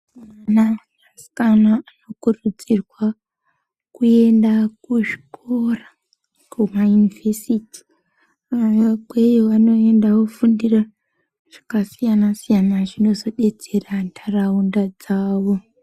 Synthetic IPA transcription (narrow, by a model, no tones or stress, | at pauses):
mana | masi̥kanaano̞kurud͡zirwa | kue̞ndakuʐi̥kora | kʰumajuniversiti̥ | aʋabwejoʋano̞e̞ndakufundira | ʐ̥ḁkasijanasijanaʐino̞zo̞ɗe̞d͡ze̞randʰʱaraundad͡zaːwo̞